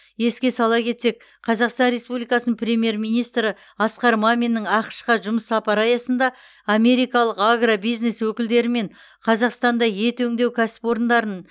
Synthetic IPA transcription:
je̞skʲe̞sɑlˠɑkʲʰe̞t̪se̞k̚ | qʰɑzɑqst̪ɑnɾe̞spublijkɑsənənpʰrʲe̞mʲje̞ɾmʲijnijst̪ɾə | ɑsqɑɾmamʲinːəŋɑqə̥ʃqɑʒʊməsːɑpɑɾɑjɑsənd̪ɑ | ame̞ɾijkɑlˠəqaɡrabijzne̞swɵkʲɪld̪e̞ɾɪme̞ɴ | qʰɑzɑqst̪ɑnd̪ɑje̞t̪ɵŋd̪e̞wkʲʰæsɪ̥pwo̞ɾənd̪ɑɾən

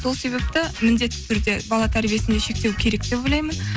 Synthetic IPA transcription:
so̞lˠse̞be̞p̚t̪ɪmɪnd̪e̞t̪ːɪ̥t̪ʰʏɾd̪e̞bɑlˠɑt̪ʰæɾbije̞sɪnd̪e̞ʃe̞k̚t̪e̞wkʲʰe̞ɾe̞k̚d̪̥e̞bolˠɑjmən

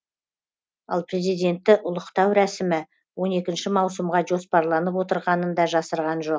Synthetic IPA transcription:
ɑ̰lˠpre̞zijd̪ʲe̞nt̪ːɪʔʊlˠəqt̪ɑwɾæsɪmɪ | wo̞ne̞kʲɪnʃɪmɑwsəmʁɑʒo̞spɑɾlˠɑnəp̬wo̞t̪əɾʁɑnənd̪ɑʒɑsəɾʁɑnʒo̞q̚

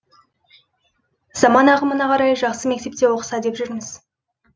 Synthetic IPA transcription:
z̥ɑmɑnɑqəmənɑqʰɑɾɑjʒɑqsəme̞k̚t̪e̞pt̪e̞woqə̥sɑd̪e̞pʒʏɾmɪz̥

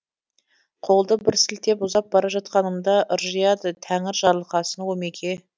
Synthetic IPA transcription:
qʰo̞lˠd̪əbɪɾsɪlt̪e̞pʊzɑp̚bɑɾɑʒɑt̪̚qɑnəmd̪ɑʔəɾʒijɑd̪ət̪ʰæŋɪɾʒɑɾlˠəqɑsənwomekʲʰe̞

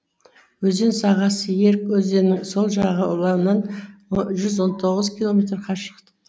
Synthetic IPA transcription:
wɵzd̪e̞nsɑʁɑsəje̞ɾkwɵzd̪e̞nɪŋso̞lˠʒɑʁəʊlˠɑmnɑnʒʏzwo̞nt̪ʰo̞ʁəzkʲilˠo̞mʲe̞t̪rqʰɑʃə̥qt̪ə̥

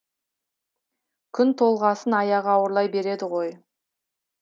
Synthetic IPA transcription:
kʲʰʏnt̪ʰo̞lˠʁɑsənɑjɑʁɑwəɾlˠɑjbe̞ɾe̞d̪ɪʁo̞j

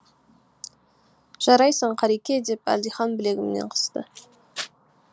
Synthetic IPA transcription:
ʒ̥ɑɾɑjsəɴqʰɑɾikʲe̞d̪e̞pæ̰ld̪ijχɑnbɪle̞ɡʲɪmnḛɴqʰə̥st̪ə

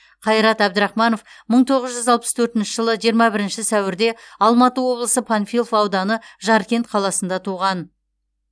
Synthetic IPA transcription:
qʰɑjɾɑt̪æb̚d̪əɾɑχmɑno̞fməɴt̪ʰo̞ʁəzʒʏzɑlˠpəst̪ʰɵɾt̪ɪnʃɪʒəlˠəʒijɾmɑbɪɾɪnʃɪsæwɪɾd̪e̞ɑlˠmɑt̪əwo̞blˠəsəpʰanfʲilˠfɑwd̪ɑnəʒɑɾkʲe̞nt̪qʰɑlˠɑsənd̪ɑt̪ʰuʁɑn

